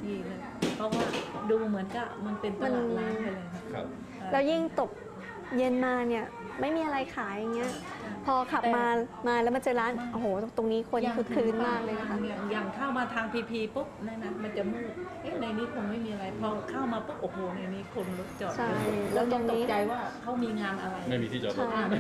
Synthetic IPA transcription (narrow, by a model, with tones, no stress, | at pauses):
diː˧˩lɤː˧˩ | pʰɾɔ˦˥waː˥˩duː˧mɯ˩˦ənka˥˩ma˧npe˧ntmma˧n˧˥a˥˩lɤː˧jkʰa˦˥˧ | lɛː˦˥wji˥˩ŋt̪o˨˩k̚ | je˧nmaː˧ni˥˩ɐ | ma˥˩jmiː˧ʔa˧ɾa˧jkʰaː˩˦ja˧˩ŋːi˦˥ɐpʰɔː˧kʰa˨˩p̚maː˧maː˧lɛ˦˥wma˧nt͡ɕɤː˧ɾaː˦˥nʔo˨˩hoː˨˩t̪o˧ŋniː˦˥kʰo˧nnkʰɯ˧kʰɯː˧nmaː˥˧˥k̚lɤː˧jkʰa˥ja˨˩ŋjaː˨˩ŋkʰaː˥˩wmaː˧t̪ʰaː˧ŋpʰiː˧pʰiː˧po˦˥p̚na˦˥na˦˥ma˧nt͡ɕa˨˩muː˥˩t̪̚ʔɤ˦˥˩jna˧jniː˦˥kʰo˧ŋma˥˩jmiː˧ʔa˧ɾa˧jpʰɾɔ˧kʰaː˥˩wmaː˧po˦˥p̚ʔo˧˩p̚ːɾo˧na˧jniː˦˥kʰo˧nlo˦˥t̪̚t͡ɕɔː˨˩t͡ɕʰa˧˥˩jlɛː˦˥t̪o˧ŋno˨iː˦˥t͡ɕa˧jwaː˥˩kʰa˦˥wmiː˧ŋaː˧mʔa˧ɾa˧jma˥˩jmiː˧iː˥˩ɔ˨˩t͡ɕʰa˧˥˩a˥˩